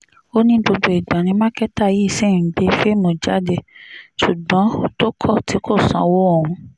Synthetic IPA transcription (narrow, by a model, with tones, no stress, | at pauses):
o˦nĩ˦bo˧bo˨˧i˨ɡ͡bã˨nĩ˧mã˦kɛ˦ta˦˨ji˦˨se˦˨˦ɡ͡be˧˦fe˦mõ˨d͡ʒa˨˦de˧ʃu˨ɡ͡bã˨˦to˦kʰɔ˦˨ti˨˦kʰo˦˨sã̰˧wɔ˦ɔ˨ũ˧